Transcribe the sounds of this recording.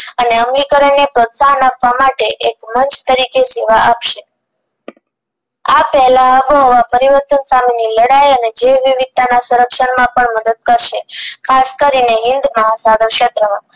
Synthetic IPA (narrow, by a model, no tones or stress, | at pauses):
əneəmlikəɾəɳːepɾot̪saɦənapʋamaʈeʔekmənt͡ʃt̪əɾikeseʋaʔapʃe | apɛɦlaəboɦəʋapəɾiʋəɾt̪ənsameniləɽajəned͡ʒeʋiʋid̪̚t̪anasuɾəkʃəɳmãpəɳməd̪əd̪̚kəɾʃekʰaskəɾineɦɪnd̪məɦasaɡəɾkʃet̪ɾəmã